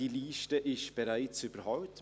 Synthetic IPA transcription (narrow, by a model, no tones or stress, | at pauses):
iliːʃtəʔɪʃtb̥ɛɾaɪt͡syb̥əɾɦɑʊt